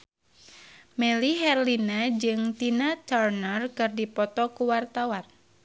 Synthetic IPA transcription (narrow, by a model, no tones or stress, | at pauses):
mɛliɦɛrlinad͡ʒɨŋt̪inat̪ɔrnərkɨrdipɔt̪ɔkuwart̪awan